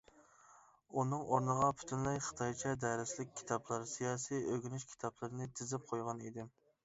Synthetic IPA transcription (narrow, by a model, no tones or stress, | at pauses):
unɨŋʔoɾnəʁɑpʰy̥t̪ʰynlɛjχə̥t̪ʰɑjt͡ʃʰɛd̪ɛɾɪslɪk̚ʲʰːi̥t̪ʰɑplˠɨɾsijɑːsijøɡʲynyʃkʲʰi̥t̪ʰɑplˠɨɾnɨt̪ʰɪzɪp̚qʰojʁɑnid̪ɪm